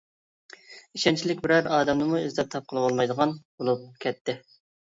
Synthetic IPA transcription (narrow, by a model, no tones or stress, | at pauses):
iʃɛnt͡ʃʰilɪkʲbɪɾɛɾɑːd̪ɛmnɨmuizlɛp̚t̪ʰɑp̚qʰəlˠbolˠmɑjd̪əʁɑnbolˠup̚kʲʰɛt̪ːɪ